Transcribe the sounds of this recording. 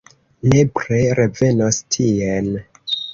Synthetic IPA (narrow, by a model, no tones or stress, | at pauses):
nepɾeɾeve̞nostʰien